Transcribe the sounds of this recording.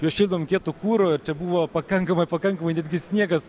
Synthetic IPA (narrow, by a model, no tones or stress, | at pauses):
juɔʃʲiːlʲd̪ɐʋomkʲiɛt̪ʊkuːɾoːɪɾt͡ʃʲɛbuːʋoːpɐkɐŋkɐmɐɪpɐkɐŋkɐmɐɪnʲæːd̪ʲɡʲɪsʲnʲiɛɡɐs